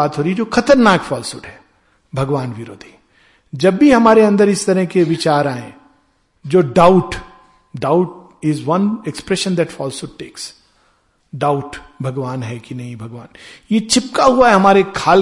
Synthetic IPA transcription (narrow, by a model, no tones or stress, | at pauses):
aːt̪ɦoːɾid͡ʒoːxɐt̪əɾnaːkfɔːlsʊʈɦɛ̥ː | bʱɐɡʋaːnʋɪɾo̰ːd̪ʱi̥ | d͡ʒɐbːiɦɐmaːɾeɐ̃nd̪əɾɪst̪ɐɾəɦkeʋɪt͡ʃaːɾaːẽ | d͡ʒoːɖaːʊʈ | ɖaːʊʈ̚ | ɪzʋɐ̃nekspɾɛʃə̃nd̪ɛʈfɔːlsoɖʈeːks | ɖaːʊʈbʱɐɡʋaːnɦɛkinɐɦĩbʱɐɡʋaːnjet͡ʃʰɪp̚kaɦuaɦɛɦɐmaːɾekʰaːl